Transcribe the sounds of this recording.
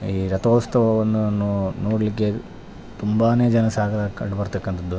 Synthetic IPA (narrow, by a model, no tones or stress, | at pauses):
iːɾɐt̪oːst̪ɐʋɐʋond̪unːunoːɽɐlikːe̞ | t̪umbaːne̞ːd͡ʒɐnɐsaːɡɐɾɐkɐɳɖbɐɾt̪ɐkːɐnt̪ʰɐd̪ːu